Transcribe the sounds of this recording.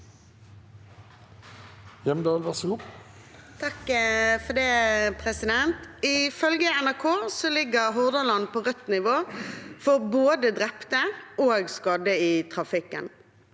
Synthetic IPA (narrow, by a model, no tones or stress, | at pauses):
jɛmd̪ɑːlʋæʁsɔɡʊp | t̪ʰɑkfɔd̪ɛːpʰʁɛsɪd̪ɛnt̪ɪfœlɡəɛnæʁkʰoːsɔlɪɡːəʁɦɔʁd̪ɑlɑnpʰoːʁœt̪nɪʋoːfɔʁboːd̪əd̪ɾɛpt̪əoːɡskɑːd̪əɪt̪ʰʁɑfɪkːən